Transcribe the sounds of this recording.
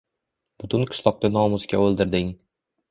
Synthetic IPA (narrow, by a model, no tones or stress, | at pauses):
b̥ʊt̪ʰʊnqʰɨ̥ʃlˠɒq̚t̪anɒmʊskʲaolˠd̪ɪɾd̪ɪŋ